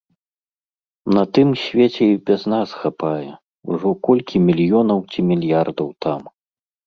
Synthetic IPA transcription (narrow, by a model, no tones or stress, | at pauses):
nɐt̪ɨmsʲvʲet͡sʲɛibʲɛznasxapajɛ | ṵʐɔkɔlʲkʲʰimʲilʲjɔnɐwt͡sʲimʲilʲjard̪ɐwt̪ʰam